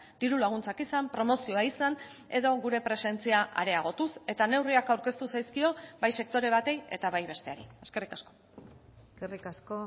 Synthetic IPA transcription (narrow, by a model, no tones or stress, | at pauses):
d̪̥iɾulaɣ̞unt͡sakisampɾo̞mo̞sio̞aisan | e̞ðo̞ɣuɾe̞pɾe̞se̞nt͡siaʔa̰ɾe̞aɣ̞o̞t̪use̞t̪ane̞wriakawɾke̞st̪usajskio̞bajse̞k̚t̪o̞ɾe̞β̞at̪e̞je̞̰t̪aβajβe̞st̪e̞aɾḭeske̞rikasko̞̥ | eskerikasko